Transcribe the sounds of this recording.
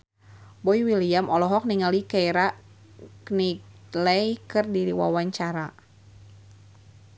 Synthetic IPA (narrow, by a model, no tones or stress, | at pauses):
bɔiwiliamɔlɔɦɔk̚niŋalikajɾa | kniklɛjkɨrdiɾiwa̰waɲt͡ʃaɾa